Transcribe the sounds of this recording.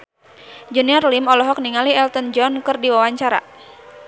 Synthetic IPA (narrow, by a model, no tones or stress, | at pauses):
d͡ʒɛniɔrlimɔlɔɦɔk̚niŋaliɛlt̪ɔnd͡ʒɔnkɨrdiwawaɲt͡ʃaɾa̰